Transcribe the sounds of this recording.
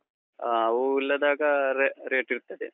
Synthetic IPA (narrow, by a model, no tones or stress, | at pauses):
aɐuilːɐd̪aːɡɐɾeɾeːʈiɾut̪ːɐd̪ḛ